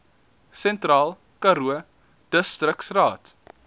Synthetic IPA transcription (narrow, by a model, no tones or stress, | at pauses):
sɛntrɑːlˠ | kɐɾuə | d̥əstrəksrɑːt